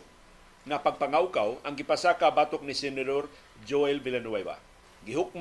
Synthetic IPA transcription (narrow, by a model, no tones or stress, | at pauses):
napaɡ̚paŋawkawaŋɡɪpasakabaːt̪ʊk̚nisɛnɛdoɾ | d͡ʒoɛlvɪlɛnwaba̰ | ɡɪɦʊk̚m